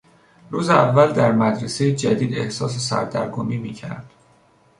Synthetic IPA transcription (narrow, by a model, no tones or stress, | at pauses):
ruːzeævːæld̪æɾmæd̪ɾesejed͡ʒæd̪iːd̪e̞hsɒːs̬esæ̰ɾd̪æ̰ɾɡomiːmiːcʰæ̰ɾd̪̥